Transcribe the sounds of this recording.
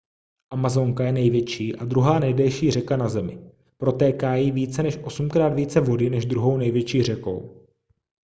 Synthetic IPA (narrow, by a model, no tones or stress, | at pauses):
ʔamazo̞ŋkajɛnɛjvjɛt͡ʃiːʔadɾuɦaːnɛjdɛlʃiːr̝ɛkanazɛmɪ̰ | pɾo̞t̪ɛːkaːjiːviːt͡sɛnɛʃʔo̞sumkɾaːt̪viːt͡sɛvo̞dɪnɛʒd̪ɾuɦo̞wnɛjvjɛt͡ʃiːr̝ɛko̞̰w